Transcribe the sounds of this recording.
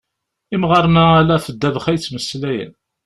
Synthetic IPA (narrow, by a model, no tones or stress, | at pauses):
imʁɑɾˤnæælæfəd̪ːævəχæjt͡sːməsːlæjə̰n